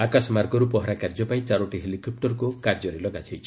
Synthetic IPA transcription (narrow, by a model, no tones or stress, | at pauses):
akasɔmaɾɡɔɾupɔɦɔɾakaɾd͡ʒɔpait͡ʃaɾoʈiɦelikɔp̚ʈɔɾkukaɾd͡ʒɔɾelɔɡat͡ʃʰajt͡ʃʰi̥